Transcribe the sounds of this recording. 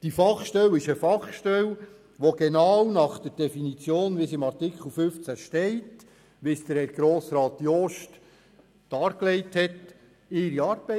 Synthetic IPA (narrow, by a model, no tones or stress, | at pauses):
d̥ifɑχʃtɛwɪʃəfɑχʃtɛw | ʋoɡ̥enɑːwnɑχd̥əɾd̥ɛfinit͡sjoːnʋɪsɪmɑrtɪkχəl̩ˠfʏft͡sæʃtɛɪt | ʋɪsd̥̪əɾɡ̥ɾoːsɾɑːt̪jɔʃt | d̥ɑːɾklɛɪthɛt | ɪɾiɑːɾb̥ɛ